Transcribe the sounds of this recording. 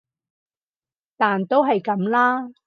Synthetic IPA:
t̪aː˨nt̪o˥wɦɐ˨jkɐ˨˥mlaː˥

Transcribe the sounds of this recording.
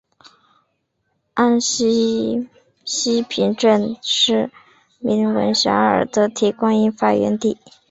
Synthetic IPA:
a˥nɕi˥ | ɕi˥pʰi˧˥nʈ͡ʂə˥˧˩nʂɻ̩˥˩ | mi˧˥nwə̰˧˥nɕjɑ̰˧˥ə̰˞˨˩d̪ə˧t̪ʰi˧˥kwa˥ŋi˥nfa˨˩ɥɛ̰˧˥nt̪i˥˩

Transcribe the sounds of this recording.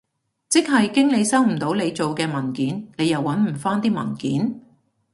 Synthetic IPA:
t͡sɪ˥k̚ɦɐ˨jkɪ˥ŋle˨˧jsɐ˥wm̩˨˩t̪o˨˧˥wle˨˧jt͡so˨wkɛː˧mɐ˨˩nkiː˨˥nne˨˧jɐ˨wːɐ˨˥nm̩˨˩faː˥nt̪iː˥mɐ̰˨˩nkiː˨˥n

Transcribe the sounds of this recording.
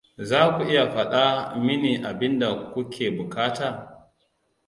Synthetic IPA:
zaː˦kʷu˨ʔɪ˦ja˨ɸɐ˦ɗa˦mɪ˦niː˨ʔa˨bɪ˦nda˨kʷu˦kʰʲeː˨bʊ˨kaː˦taː˨

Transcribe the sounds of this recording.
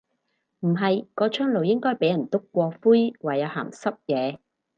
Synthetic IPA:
m̩˨˩ɦɐ˨jkɔː˧t͡ʃʰœː˥ŋlo˨wjɪ˥ŋkɔː˥jpe˨˥jɐ˨˩nt̪ʊ˥kːʷɔː˧fuː˥jwaː˨˩jɐ˨˧ha̰ː˨˩msɐ˥p̚jɛː˨˧

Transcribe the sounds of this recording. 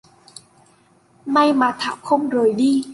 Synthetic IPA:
ma˧jmaː˨˩t̪ʰaː˧˩wxə˧wŋ͡mzo˨˩jɗi˧

